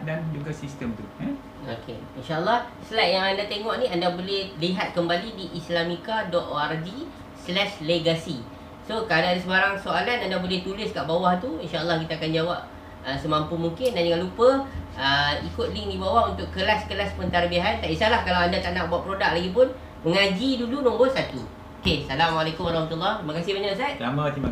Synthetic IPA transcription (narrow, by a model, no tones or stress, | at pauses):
dand͡ʒuɡasist̪əmt̪ua | okʰḛinʃaʔəlːɑh | səlajt̚jaŋandat̪eŋɔʔniandabolɛhliɦat̪̚kəmbalidiʔislamikadɔt̪̚oard͡ʒi | slɛʃleɡasi | sokadadisəbaɾaŋsoalanandabolɛht̪ulɪskaʔbawaht̪uinʃaʔəlːɑhkit̪aːkand͡ʒawap̚ | əsəmãmpumuŋkɪndand͡ʒəŋãnlupəəikʊt̪̚lɪŋdibawaunt̪ʊʔkːəlaskəlaspənt̪arbiaɦant̪aʔisalahkalawandat̪anaʔbuaʔpəɾodak̚laɡip̬ʊn | məŋad͡ʒidulunõmbʊtsat̪ṵ | okesalamalekʊmaɾɑhmat̪ulːɔht̪ɾimakasɪhbəɲasat̪̚amat̪i